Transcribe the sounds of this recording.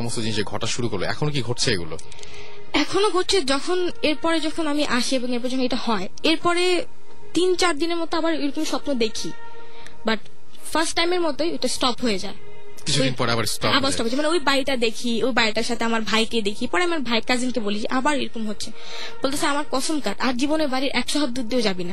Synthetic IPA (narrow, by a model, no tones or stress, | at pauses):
ɔmost̪od͡ʑiniʃeɡʱɔ̰ʈaʃuɾuko̰ɾlo̰ɛ̰kʰonokiɡʱoʈt͡ɕʰeḛɡulo̰ | ɛkʰonoɡʱoʈt͡ɕʰed͡ʑɔkʰon | eɾpɔɾed͡ʑɔkʰonamiʔaʃieboŋeɾpɔɾed͡ʑɔkʰoejʈahɔe | eɾpɔɾe | t̪int͡ɕaɾd̪ineɾmɔt̪oabaɾeɾokumʃɔpnod̪ekʰi | baʈ | faɾsʈːajmeɾmɔt̪oejʈasʈɔpɦojed͡ʑae | kit͡ɕʰudoinpɔɾḛa̰ba̰ɾsɔ̰abaɾsʈɔpɦoemaneojbajʈad̪ekʰiojbajʈaɾʃat̪ʰeamaɾbʱajked̪ekʰipɔɾeamiaɾbʱajkad͡ʑinkebolid͡ʑeʔabaɾejɾokumɦotːɕʰe | b̥olt̪ʰesaamaɾkɔʃomkaɖaɾd͡ʑiboneɾbaɾiɾʔɛkʃɔɦob̚d̪ud̪iod͡ʑabina